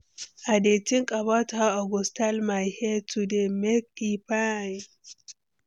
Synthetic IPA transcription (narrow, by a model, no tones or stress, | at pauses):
ʔadetiŋkʼabataaɡɔstalmajhetudemɛkːipan